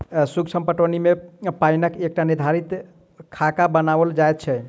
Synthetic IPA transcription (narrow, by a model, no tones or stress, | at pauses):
suksʰəmpəʈənimepainəkek̚ʈaniɾd̪ʱaɾit̪ | kʰakabənabəld͡ʒajt̪̚t͡ʃʰɛ